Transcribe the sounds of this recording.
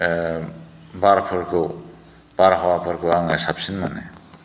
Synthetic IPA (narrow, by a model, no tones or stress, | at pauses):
baɾpʰɯɾkɯw | b̥aɾɦɔwapʰɯɾkɯwaŋɛsapsinmanɛ